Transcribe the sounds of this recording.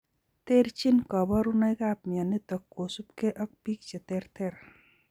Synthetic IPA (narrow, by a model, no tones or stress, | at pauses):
t̪eɾt͡ʃinkʌbɔɾunajkapmijanit̪ɐkːosupkeʔɐk̚pik̚t͡ʃʰet̪eɾt̪eɾ